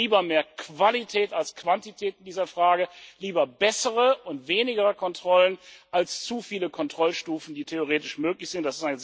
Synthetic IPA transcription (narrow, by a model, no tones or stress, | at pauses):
iːbɐmeːɐkv̥alitʰɛːtalskv̥antitʰɛːtɪndiːzɐfʁ̥aːɡəliːbɐbɛsəʁəʊntv̥eːnɪɡəʁəkʰɔntʁ̥ɔlənʔalst͡sufiːləkʰɔntʁ̥ɔlʃtuːfn̩diːtʰeoʁeːtɪʃmøːklɪçz̥ɪntd̥asɪstaɪnə